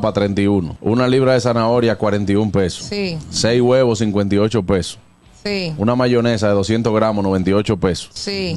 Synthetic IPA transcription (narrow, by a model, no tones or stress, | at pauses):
pat̪ɾe̞nt̪iunounaliβ̞ɾaðe̞sanao̞ɾjakwaɾe̞nt̪iumpeso̥isejwe̞βos̬iŋkwe̞nt̪̬io̞t͡ʃo̞pe̞so̥ | iunamaʝo̞nes̬aðe̞ðo̞sje̞nt̪ozɣɾamonoβe̞nt̪io̞t͡ʃo̞pe̞so̥si